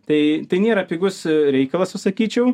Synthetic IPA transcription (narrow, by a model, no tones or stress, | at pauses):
t̪ɐɪt̪ɐɪnʲeːɾɐpʲiɡʊsɾʲɛɪkɐlˠɐsʊsɐkʲiːt͡ʃʲɛʊ